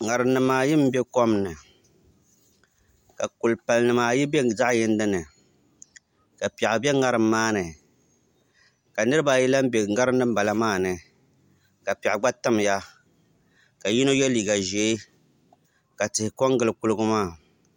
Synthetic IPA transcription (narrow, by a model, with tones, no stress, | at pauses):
ŋa˨ɾɨ˨nnɨ˨maː˨jɪ˦m˦bɛ˦kɔ˦mnɨ˨ | ka˨kʊ˨lpa˨lnɨ˨maː˨ji˦be˦za˦ʔjɪ˦n˦dɨ˦nɨ˨ | ka˨pɛ˨ʔbɛ˦ŋa˦ɾɨ˨mːaː˦nɨ˨ | ka˨nɨ˦ɾɨ˦ba˨ji˦la˦m˦be˨ŋa˦ɾɨ˦nɨ˦m̩˦ba˨la˦maː˦˨nɨ˨ | ka˨pɛ˨ʔɡ͡ba˦ta˦mja˦ | ka˨ji˦no˦jɛ˦liː˨ɡa˨ʒeː˨˦ | ka˨tɨ˨hɪ˨kɔ˦ŋɡɨ˨lɨ˨ku˦lɨ˦ɡʊ˦maː˦˨